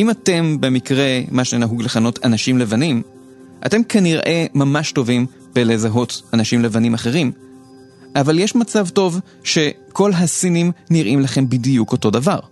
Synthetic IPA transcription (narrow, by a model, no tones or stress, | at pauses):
imate̞mbe̞mikʁe̞maʃenaɦuɡleχano̞tʰanaʃimle̞vanim | ʔa̰te̞mkaniʁʔe̞mamaʃto̞vim | bele̞zaɦo̞tanaʃimle̞vanimaχe̞ʁim | ʔavaljeʃmat͡savto̞v | ʃe̞ko̞lɦasinimniʁimlaχe̞mbidijuko̞to̞davaʁ